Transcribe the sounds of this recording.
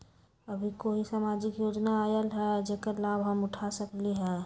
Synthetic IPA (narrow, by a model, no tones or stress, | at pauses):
əbʱikoːɦisaːmad͡ʒɪkjoːd͡ʒnaajəlɦɛd͡ʒekəɾlaːbɦəmʊʈʰasəkleɦɛː